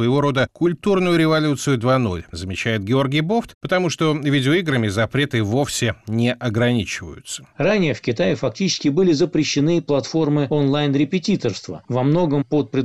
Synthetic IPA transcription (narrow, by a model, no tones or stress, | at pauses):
vəjɪvo̞ɾo̞d̪əkʊlʲt̪urnʊjʊɾʲɪvɐlʲut̪sɨjʊd̪vano̰lʲzəmʲɪt͡ɕæjɪt̪̚ɡʲɪo̞rɡʲɪjbo̞ft̪pət̪ɐmuʂt̪o̞vʲidʲɪoiɡɾəmʲɪzɐpɾʲe̞t̪ɨvo̞fsʲɪnʲɪʔɐɡɾɐnʲit͡ɕɪvə̰jʊ̰t̪sə̥ranʲɪjəfkʲɪt̪ajɪfɐk̚tʲit͡ɕɪ̥skʲɪbɨlʲɪzəpɾʲɪɕːɪnɨplˠɐt̪fo̞rmɨonlˠajnɾʲɪpʲɪtʲit̪ərst̪və̰vɐmno̞ɡəmpot̪̚pɾʲɪd̪